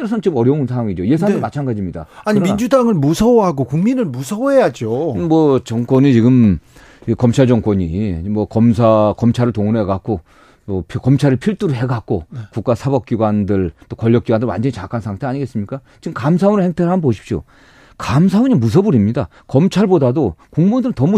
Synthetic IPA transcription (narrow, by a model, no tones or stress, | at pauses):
eɾʌsʰʌnnt͡ɕɯmʌɾjʌunsʰawaŋid͡ʑoje̞s̬ʰaŋnɯmat͡ɕʰanɡad͡ʑimɲida̰aɲɯiɾmind͡ʑudaŋɯɭmusʰʌoɦaɡokuŋminɯɭmusʰʌoɦejad͡ʑoɯmwʌt͡ɕʌŋk͈wʌɲit͡ɕiɡɯm | ikʌmt͡ɕʰaɭd͡ʑʌŋkwʌɲimwʌkʌmsʰakʌmt͡ɕʰaɾɯɭtoŋɯnɦeɡak͈o | mʌpʰkʌmt͡ɕʰaɾɯɭpʰiɭt͈uɾɯɦe̞ɡak̚k͈okuk͈̚asʰabʌp̚k͈iɡwandɯɭt͈okʌʎːʌkiɡwandɯɭwa̰nd͡ʑʌɲit͡ɕakʰansʰaŋtʰe̞aɲiɡe̞s͈ɯmɲik͈at͡ɕiɡɯmkams̬ʰaonɯɭheŋtʰeɭɦamɯnboɕʰi̥p̚ɕ͈o̰ | kams̬ʰaoɲimus̬ʰʌbuɾimɲida | kʌmt͡ɕʰaɭbodadokuŋmundɯɾɯntʌmu